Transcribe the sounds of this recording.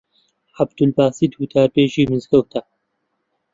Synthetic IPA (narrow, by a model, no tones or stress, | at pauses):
ħab̚d̪̥ulbaːsid̪hut̪aːɾpeːʒiːmɨzkɐwt̪ʰɐ